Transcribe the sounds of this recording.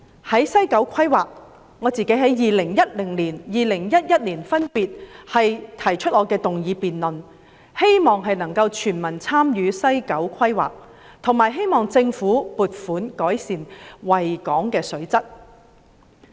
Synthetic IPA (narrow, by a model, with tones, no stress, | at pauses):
hɐ˨˥jsɐ˥jkɐ˨˥wkʷʰɐ˥jwaː˨˩k̚ | ŋɔː˨˧t͡siː˨ke˨˥jɦɐ˨˥jjiː˨lɪ˨˩ŋjɐ˥t̚lɪ˨˩ŋliː˨˩njiː˨lɪ˨˩ŋjɐ˥t̚jɐ˥t̚liː˨˩nfɐ˥npiː˨t̚hɐ˨jt̪ʰɐ˨˩jt͡ʃʰɵ˥t̚ŋɔː˨˧kɛː˧t̪ʊ˨ŋjiː˨˧piː˨nlɵ˨n | he˥jmɔː˨ŋɦɐ˨jnɐ˨˩ŋkɐ˧wt͡ʃʰyː˨˩nmɐ˨˩nt͡sʰaː˥mjyː˨˧sɐ˥jkɐ˨˥wkʷʰɐ˥jwa̰ː˨k̚ | t̪ʰʊ˨˩ŋmaː˨˩jɦe˥jmɔː˨ŋt͡sɪ˧ŋfuː˨˥puː˨t̚fuː˨˥nkɔː˨˥jsiː˨nwɐ˨jkɔː˨˥ŋkɛː˧sɵ˨˥ɥt͡sɐ˥t̚